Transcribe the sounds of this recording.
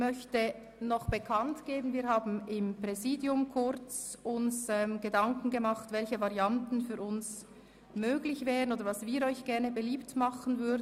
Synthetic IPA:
mœçtə | nɔχb̥əkʰantɡ̥eːbən̩viːɐhaːbn̩ɪmpʁ̥ɛziːdjʊmkʰʊɾt͡sʊnsɛmɡ̥ədaŋkn̩ɡəmɑχtvɛlçəvaʁjantn̩fyːɾʔʊns | møːɡlɪçvɛːʁənoːdəvɑsviːɾɔʏçɡ̥ɛʁnəbəliːptmɑχən̩vʏɐdn

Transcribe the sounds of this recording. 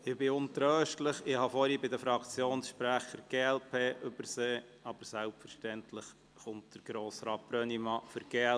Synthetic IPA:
ɪbɪʊnt̪ɾœːʃtləχɪhɑfɔɾibɪdəfɾɑkt͡sjoːnsʃpɾæχəɾɡ̥eːɛlpʰeːʔʏb̥əɾseː | ɑb̥əɾsælpfəɾʃtɛntləχ | χʊntd̥əɾɡ̥ɾoːsɾɑːt̚pɾœnimɑfʏɾɡ̥eː

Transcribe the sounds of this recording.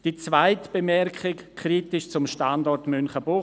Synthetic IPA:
d̥it͡svaɪtb̥emɛɾkʰχɪkkʰriːtɪʃt͡sʊmʃtandɔrtmʏnχəbʊ

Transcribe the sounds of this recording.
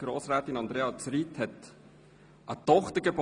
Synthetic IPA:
ɡ̥ɾoːsɾæːt̪inɑnd̥̪ɾeːɑt͡sɾit̪hɛt̪ | ʔɑt̪ɔχt̪əɡ̥eb

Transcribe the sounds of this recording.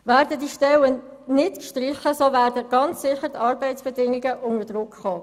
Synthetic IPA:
væːɾdədiʃtɛlə | nɪtkʃtrɪχəsovæːrdəɡ̥ɑnt͡ssɪχət̪ʰɑːɾbɛɪtsb̥ɛdɪŋiɡəʔʊnədrʊkχoː

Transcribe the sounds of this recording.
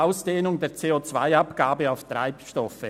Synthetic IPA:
aʊsd̥eːnʊŋdeːɐt͡seːot͡sv̥aɪapɡ̥aːbəaʊftʁa̰ɪpʃtɔfə

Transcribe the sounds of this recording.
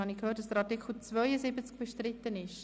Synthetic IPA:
ɑnikhøːtd̥ɑsd̪əɾɑtɪkʰl̩t͡svœʏəzɪbət͡sk̚b̥ɛʃtɾɪt̪ːənɪʃ

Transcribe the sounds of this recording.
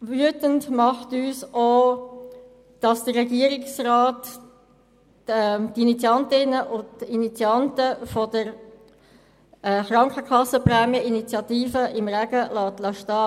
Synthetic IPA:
vyətəntmɑχtyːsoː | d̥ɑsd̥ərːɛɡiəɾɪksrɑːt | ɛtinit͡siɑntɪnəʔʊtinit͡sjɑntəfɔdəɾ | ɛːχɾɑŋkʰəkʰɑsːəprɛːmjəʔinit͡sjɑtiːfəʔɪmʁæɡ̥əlɑːtlɑʃtɑː

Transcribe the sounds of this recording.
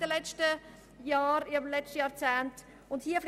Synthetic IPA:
d̥əlɛt͡ʃtə | jɑːɾɪmlɛt͡ʃtəjɑːɾt͡sɛːnt | ʊndhiːəfl

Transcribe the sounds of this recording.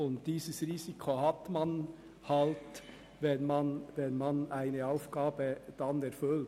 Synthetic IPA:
ʊnt̪̚d̥̪iːsəsɾiːsɪkʰohɑt̪mɑn | hɑlt̪ | ʋɛnmɑnʋɛnmɑnæɪnəɑʊfɡ̥ɑːbəd̪̥ɑnɛɾfʏl

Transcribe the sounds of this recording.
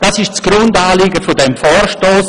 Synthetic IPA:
d̥ɑːsɪʃt͡sɡ̥ɾʊndaːlɪɡəfʊdɛmfɔːrʃtoːs

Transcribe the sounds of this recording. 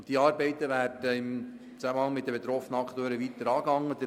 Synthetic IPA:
d̥̪iɑːɾbɛɪt̪əʋæːrdəɪm | t͡sæməhɑŋmɪt̪̚d̪əbet̪ɾɔfnəɑkt̪øːɾəʋit̪əɾɑːɡɑŋːəd̪ə

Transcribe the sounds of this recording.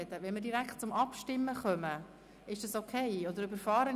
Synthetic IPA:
ɛt̪əʋɛnməɾdiɾækχt̚t͡sʊmɑpʃtɪmːəχœmə | ɪʃd̥ɑsokʰeɪɔdəɾybəɾfɑːɾə

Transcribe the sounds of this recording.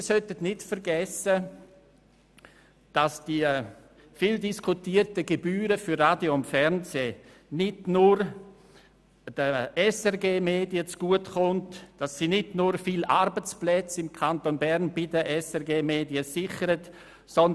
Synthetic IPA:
mːsœtətnɪtfəɾɡɛsə | d̥asd̥i | fiːldiskʰutiːəɾtəɡebyːɾəfʏɾraːdjoʊntfɛɾnseː | nɪdnʊɾ | d̥əɛsɛɾɡeːmeːdiət͡sɡ̥uətχʊntd̥asːinɪdnʊɾfilʔaɾbət͡splɛt͡sɪmkʰantonbɛɾnbidəʔɛsɛɾɡeːmeːdiəsɪχəɾət | sɔn

